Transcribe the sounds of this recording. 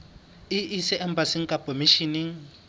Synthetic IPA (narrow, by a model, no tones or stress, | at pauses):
ɪʔɪsɪʔɛm̩basiŋ̩kʼakʼomiʃiniŋ̩